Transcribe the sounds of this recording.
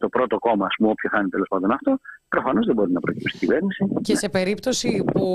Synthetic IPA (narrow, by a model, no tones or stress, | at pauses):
t̪o̞pɾo̞t̪o̞ko̞mɐɐspmuo̞pçoθɐnit̪e̞lo̞spɐnd̪o̞nɐft̪o̞pɾo̞fɐno̞zðebo̞ɾinɐpɾo̞̰cipsi̥t̪iɟive̞ɾnisicesepe̞ɾipt̪o̞sipu